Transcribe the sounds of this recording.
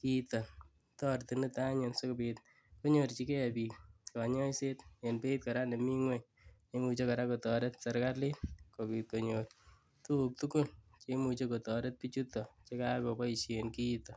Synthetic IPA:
kit̪ɔ˨n | tɔrt̪i˨nu˦taɲenso˦kopit̚ | ko˦ɲo˨ɾt͡ʃi˦ke˦piːkka˨ɲɔ˦jsetenpe˦it̚ka˨ɾane˨mi˦ŋweɲ | t͡ʃe˧mu˧t͡ʃe˦ka˨ɾakotɔ˨ɾɛ˦tsaɾkarlitko˨pi˨t̪̚ko˨ɲoːr | tuk̚tuku˦lt͡ʃe˦mu˨t͡ʃe˦kotɔɾe˦t̚pit͡ʃut̪ɔt͡ʃe˦kakopɔ˦iʃenkit̪ɔ˨

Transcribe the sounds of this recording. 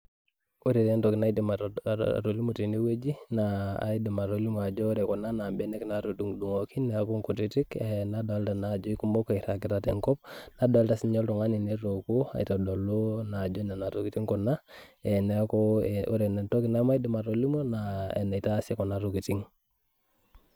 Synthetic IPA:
o˦ɾe˨ɾe˦ntɔ˨ki˨na˦idi˨ma̰ɾo˨li˦mo˨ti˨ne˦we˦d͡ʒi˦naa̰di˨ma˨ɾo˨li˦mo˨a˨d͡ʒɔ˦ɾɛ˨kɔ˨na˦na˨mbɛ˦nɛ˦knato˨du˨ŋdu˨ŋo˨kʰi˦nɛ˨aku˦ŋku˨ti˦ti˦kɛnadɔ˨a˦lta˨na˨d͡ʒɔ˦i˦ku˦mbo˦kɔ˨i˨ɾa˨ki˨ɾa˦tɛŋkɔ˦p̚na˦dɔ˨a˦lta˦si˦ɲɔ˦ltɔ˨ŋa˦ni˨ne˦ɾo˨ku˦a̰˨i˨ta˨dɔ˨lo˦na˨d͡ʒɔ˦nɛ˨na˨to˨kiti˦ŋkɔ˨na˦ | ɛ˨nkɔo̰ɾe˨n˨to˦ki˦na˦ma˦i˦di˦ma˨ɾo˨li˦mo˦naḛ˨na˨ita˦se˦kɔ˨naɾoki˨ti˦ŋ

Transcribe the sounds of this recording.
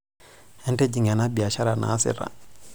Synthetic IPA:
hɛ˦ntɛ˦d͡ʒi˨ŋa˨na˦bi˨a˨ʃa˦ɾa˨na̰ː˨˦sɛ̰˦ɾa̰˨

